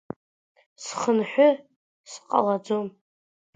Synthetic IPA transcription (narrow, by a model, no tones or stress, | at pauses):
sχənħʷᶣʊ | sqʼa̰lad͡zom